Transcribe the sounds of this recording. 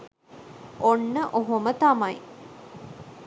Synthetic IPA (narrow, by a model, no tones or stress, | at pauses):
onːəʔoɦomət̪amɐj